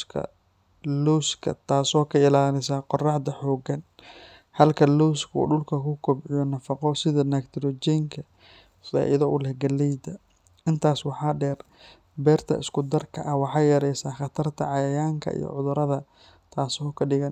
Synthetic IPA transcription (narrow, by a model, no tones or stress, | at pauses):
kʰɐ̰ | luwskʰɐ̰t̪ʰaːsɔːkʰɐɪlaːlɪsaːqɔrɑħd̪ɐħɔːɡɐn | hɐlkʰɐluwskʰṵːɖʊlkʰɐkʰʊkʰɔbʕɪjɔnɐfɑqɔsɪðɐnakt̪ʰɪɾɔd͡ʒɛŋkʰɐ | fa̰ːʔɪðɐʔʊlɛhɡɐlːɛjd̪ɐ | ɪnt̪ʰaːswɑħɑːɖɛːr | bɛːrt̪ʰɐ̰ɪ̰skʊd̪ɐrkʰɐʔɐwɑħɑːjɐɾɛjsaːχɑt̪ʰɐrt̪ʰɐʕɑjɐjaːŋkʰɐ̰ḭjɔ̰ʕʊðʊɾɐðɐ | t̪ʰaːsɔːkʰɐɖɪɣɐn